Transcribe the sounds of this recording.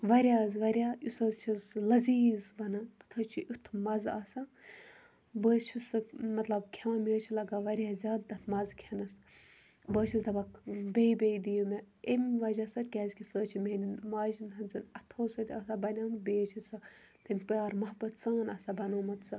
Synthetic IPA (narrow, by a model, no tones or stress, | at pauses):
ʋɐɾʲaːzʋɐɾʲausɐzt͡ʃʰizlɐziːzbɐnat̪ɨ̥t̪ʰɐt͡ʃʰiʔut̪ʰmɐza̰ːsa | bəːzt͡ʃʰisɨmɐt̪lɐbkʲʰamʲeːt͡ʃʰilɐɡaʋɐɾʲjaːzʲaːd̪ɐt̪ʰmɐzkʲʰɐnɐs | bəːt͡ʃʰizɐbakbejbʲejd̪ijumʲe | emʲʋɐd͡ʒasɐt̪ʲkʲɛːzʲkʰʲisəːt͡ʃʰimenmaːd͡ʒnɦɐnzɨnɐt̪ʰoːsɐt̪ʲɐːsabɐnʲaːmɨbʲeːt͡ʃʰisɨ | t̪ɐmʲpʲaːɾmɐɦbɐt̪t͡saːnɐsabɐnoːmɐt̪sɨ